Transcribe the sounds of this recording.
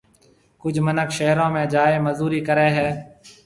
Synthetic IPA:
kʊd͡ʒʱmənəkʃeɦɾõːmẽːd͡ʒaːeːməzuːɾiːkəɾeːɦɛː

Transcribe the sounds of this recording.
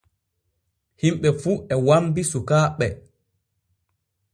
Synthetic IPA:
himɓɛfuːɛwambisukaːɓɛ

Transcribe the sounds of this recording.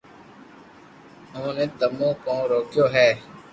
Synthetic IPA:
ɦõːneːt̪əmõːkõːɾoːkjoːɦɛː

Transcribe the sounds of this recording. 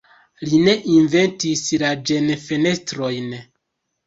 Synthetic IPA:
line̞ʔinve̞ntislad͡ʒe̞nfe̞ne̞stɾo̞jn

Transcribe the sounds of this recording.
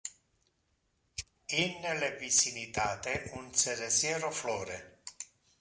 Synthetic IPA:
inːlevisinit̪aːt̪eʔunseɾesjɛːɾoflɔːɾe

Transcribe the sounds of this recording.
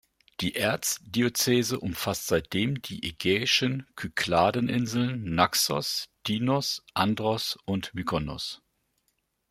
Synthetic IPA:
d̥iːʔɛɐt͡sd̥iot͡seːzəʔʊmfastz̥aɪt̚d̥eːmd̥iːʔeɡɛːɪʃənkʰykʰlaːdənʔɪnzl̩nːaksɔ̰sd̥iːnɔsʔandʁɔsʔʊntmikʰɔnɔ̰s

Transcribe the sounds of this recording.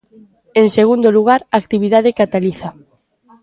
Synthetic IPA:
eŋseɣund̪oluɣ̞aɾaːk̚t̪iβiðaðekat̪aliθa

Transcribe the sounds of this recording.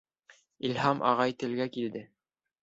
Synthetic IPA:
ilhɑmʔɑ̰ʁɑjt̪ɘ̆lɡækild̪ɘ

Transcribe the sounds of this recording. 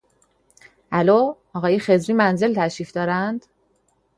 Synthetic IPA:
ʔæloː | ɒːɣɒːjexe̞zɾiːmænze̞lt̪ʰæʃiːfd̪ɒːɾænd̪̥

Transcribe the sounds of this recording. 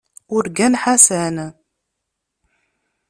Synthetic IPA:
ʊɾɡænħasæn

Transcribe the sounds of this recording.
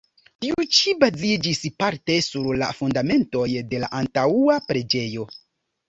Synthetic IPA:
tiut͡ʃibazid͡ʒispaɾte̞suɾla̰fundame̞nto̞jde̞la̰ʔantauapɾe̞d͡ʒe̞jo̞

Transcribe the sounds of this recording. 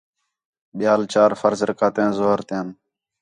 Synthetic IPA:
ɓɪjaːlt͡ʃaːɾfəɾzɾəkaːt̪ẽːnzoːɾt̪ẽːn

